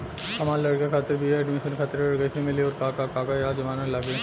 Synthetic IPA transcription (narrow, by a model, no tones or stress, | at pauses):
hɐmaːɾlɐɽkakʰaːt̪ɪɾbieɛːɖmɪʃənkʰaːt̪ɪɾlɐɽɡɐit̪ʰimɪliɔːɾkaːkakaːkajaːd͡ʒɐʋaːnalaːɡe